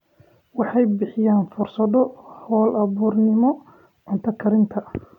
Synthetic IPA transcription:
wɑħɑjbɪħɪjaːnfʊrsɐðɔhɔːlɐβuːrnɪmɔ | ʕʊnt̪ʰɐkʰɐɾɪnt̪ʰɐ

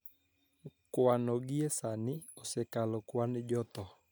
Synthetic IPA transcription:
kwanɔɡɪesanɪɔsɛkalɔkwand͡ʒɔt̪ɔ

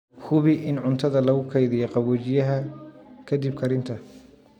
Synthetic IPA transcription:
kʰʊβɪʔɪnʕʊnt̪ʰɐðɐlɐɣʊkʰɛjðɪjɔqɑβɔt͡ʃɪjɐɦɐkʰɐd̪ib̚kʰɐɾɪnt̪ʰɐ

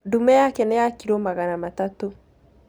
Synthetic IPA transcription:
dumɛjakɛnɛjakiɾomaɣanamatato

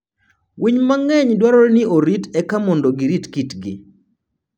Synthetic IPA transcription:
wiɲmaŋɛɲdwaɾɔɾnɪoɾitɛkamɔndɔɡiɾitkitɡɪ

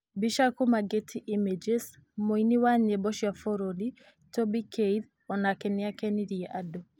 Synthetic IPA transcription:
biʃakumaɡetʰiʔimed͡ʒes | moiniwaɲebɔʃjafɔɾoli | tɔbikʰeið | ɔnakɛnɪakɛniɾiɛʔadɔ

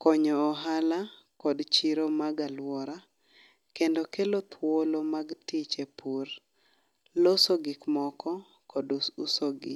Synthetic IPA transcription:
kɔɲɔːɦala | kɔdt͡ʃiɾomaɡalwɔɾa | kendokelot̪ʰwolomaɡtit͡ʃepʰur | losoɡɪkmɔkɔ | kɔdusoɡɪ̰

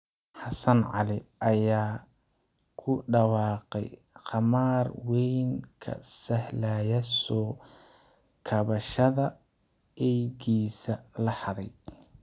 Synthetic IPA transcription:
ħɑsɐnʕɑ̰lɪʔɐjaː | kʰʊɖɑwɑːqɛ̰jqɑmaːrwɛjŋkʰɐ̰sɐhlaːjɐsɔː | kʰɐβɐʃɐðɐ | ɛjɡiːsɐ | lɐħɑɾɛj

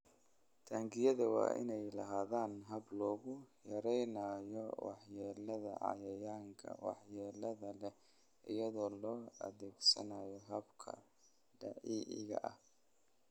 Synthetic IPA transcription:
t̪ʰaːŋɡɪjɐðɐwɑ̰ːʔɪ̰nɛjlɐɦaːðaːnɦɐblɔːɣʊjɐɾɛjnaːjɔwɑ̰ħjɛːlɐðɐ̰ʕɑ̰jɐjaːŋkʰɐ̰wɑ̰ħjɛːlɐðɐlɛ | ʔɪjɐðɔːlɔːɐ̰ðɛːɡsɐ̰najɔɦɐbkʰɐ̰ | ɖɐ̰ʕiːʔɪ̰ɣɐ̰ʔɐ̰h

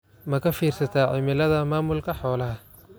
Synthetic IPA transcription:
mɐkʰɐfiːrsɐt̪ʰaːʕɪmɪlɐðɐmaːmʊlkʰɐħɔːlɐɦɐ

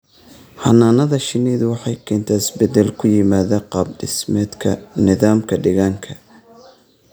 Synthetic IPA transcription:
hɐnaːnɐðɐʃɪnɛðʊwɑħɑjkʰɛːnt̪ʰaɪsbɛd̪ɛlkʰʊjɪmaːðɐqɑb̚ɖɪ̰smɛːd̪kʰɐnɪðaːmkʰɐɖɛɣaːŋkʰɐ̥

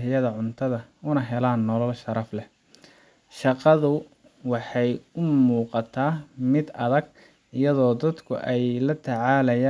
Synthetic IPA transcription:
ɦɪjɐðɐʕʊnt̪ʰɐðɐ | ʊnɐɦɛlaːnːɔlɐlʃɐɾɑflɛ | ʃɑqɑðʊ | wɑħɑjʊmuːqɑt̪ʰaːmɪd̪ɐðɐɡ̚ | ɪjɐðɔːd̪ɐd̪kʰʊ̰ʔɛjlɐt̪ʰɐʕɑːlɐjaː

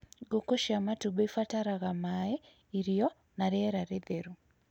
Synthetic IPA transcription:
ɡokoʃamatubeifataɾaɣamae | iɾiɔ | naɾeɾaɾeðeɾu

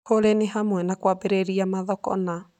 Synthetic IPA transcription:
oɾeniɦamuɛnakuabeɾeɾiamaðɔkɔ̰na

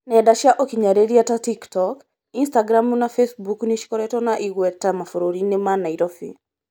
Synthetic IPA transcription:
nɛdaʃjaʔokiɲaɾeɾiatatiktɔk | instaɡɾamunafesbukniʃkɔɾɛtɔnaʔiɡwɛtamafoɾoɾinemanaiɾɔfḭ

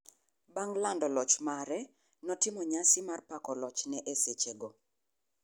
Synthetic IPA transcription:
baŋlandɔlɔt͡ʃmaɾɛ | nɔtɪmɔɲasɪmarpakɔlɔt͡ʃnɛʔeset͡ʃeɡo

